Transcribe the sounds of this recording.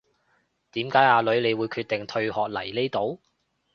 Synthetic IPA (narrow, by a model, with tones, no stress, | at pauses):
t̪iː˨˥mkaː˨˥jaː˨˧lɵ˨˥ɥle˨˧jwuː˨˧jkʰyː˧t̪ɪ˨˩ŋt̪ʰɵ˧ɥhɔː˨k̚lɐ˨˩jle˥jt̪o˨˥w